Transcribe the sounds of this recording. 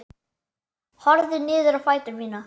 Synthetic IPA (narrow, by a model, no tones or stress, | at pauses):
hɔɾðɪnɪːðʏɾawfaːjt̪ʏɾmiːna